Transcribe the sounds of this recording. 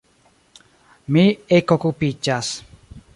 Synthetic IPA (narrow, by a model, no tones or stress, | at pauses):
mĩekokupit͡ʃas